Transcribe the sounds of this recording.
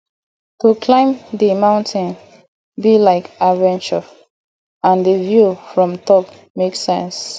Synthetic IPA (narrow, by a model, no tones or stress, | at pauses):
tukʰlãɪ̃mdimãʊ̃ntʰɪ̃n | bilaɪkavɛ̃nt͡ʃə | ãndəvjufɹɔ̃mtɔp | meksɛ̰̃ns